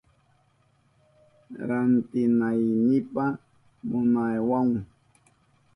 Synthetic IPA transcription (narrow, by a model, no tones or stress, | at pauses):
ɾant̪ɪnajnɪpa | mʊnajwaŋ